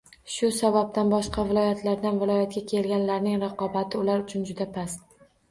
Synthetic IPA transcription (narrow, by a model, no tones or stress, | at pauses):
ʃʊsabab̚t̪ʰanbɒʃqɑvɪlˠɒjat̪ʰlaɾd̪anvɪlˠɒjat̪̚ɡʲakʲʰe̞lɡʲanlaɾnɪŋɾɑqɒbat̪ʰɪʊlaɾʊt͡ʃʰʊnd͡ʒʊd̪apʰas